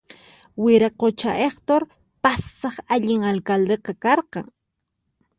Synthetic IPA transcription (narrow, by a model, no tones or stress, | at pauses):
wɪɾɑqot͡ʃaʔeχt̪oɾ | pasːɑχaʎɪŋalkald̪eqɑkɑɾqɑŋ